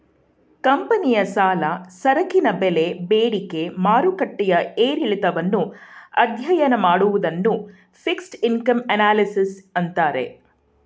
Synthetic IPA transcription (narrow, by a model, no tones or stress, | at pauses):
kɐmpɐnijɐsaːlɐsɐɾɐkinɐbele̞beːɽike̞maːɾukɐʈːɛjɐeːɾiɭit̪ɐʋɐnːuɐ̰d̪jɐjɐnɐmaːɽuʋud̪ɐnːu | pʰiksʈinkɐmɐnaːlisisɐnt̪aːɾe̞̰